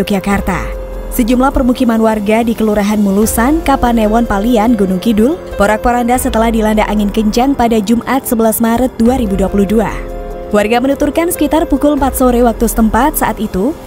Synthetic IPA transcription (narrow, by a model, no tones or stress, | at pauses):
ok̚d͡ʒakart̪a̰ | səd͡ʒumlahpərmukimanwarɡadikəluɾaɦanmulusankapanewɔnpalianɡunuŋkidʊl | poɾak̚pəɾandasət̪əlahdilandaʔaŋɪnkəɲt͡ʃaŋpadad͡ʒumʔat̪̚səbəlasmaɾət̪̚duaɾibuduapuluhdua̰ | warɡamənut̪urkansə̥kit̪arpukʊləmpat̪̚soɾewak̚t̪usə̥t̪əmpat̪̚saʔat̪it̪u